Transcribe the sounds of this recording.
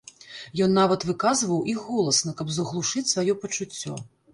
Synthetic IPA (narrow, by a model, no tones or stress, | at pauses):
jɔnːavɐt̪vɨkazvɐwʔixːɔlˠɐsnɐkɐbzɐɣlˠuʂɨt͡sʲsvajɔpɐt͡ʂut͡sʲːɔ̰